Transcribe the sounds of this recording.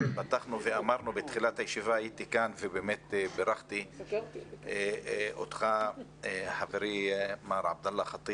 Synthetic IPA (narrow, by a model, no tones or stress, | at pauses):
bat̪ːaχnuvɪʔamɑɾˤnubɪt̪χilat̪hajʃivaajit̪ikaːnvebeːmet̪bɪɾɑxt̪i | ʔo̰t̪xa | ħavɾimaːɾˤʕa̰b̚d̪alːɑxɑt̪ˤːiːb